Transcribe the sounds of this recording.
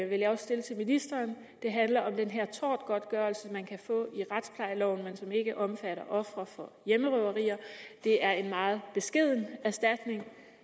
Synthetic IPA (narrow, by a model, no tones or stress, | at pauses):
ʋe̝ljɑ̈ɒ̽ssd̥e̝lət͡sʰe̝lminisd̥ɐːn | d̥e̝ɦænlɐɒ̽md̥enɦeɐ̰t͡sʰɒ̰ːd̥ɡ̥ɒ̽d̥ɡ̥ɶːɐlsə̥ɒ̽mænkʰæfɔ̰̽ːiʁad̥spʰlɑ̈ɪlɒʊ̰n̩mensɒ̽me̝ɡ̥əʔɒ̽mfæɾ̥ɐʔɒ̽fʁɐfɒ̽jeməʁœʊɐʁḭːɐd̥e̝æɐe̝nmɑ̈ːð̞̩ˠb̥e̝sɡ̥e̝ð̞̰ˠn̩æɐsd̥æd̥ne̝ŋ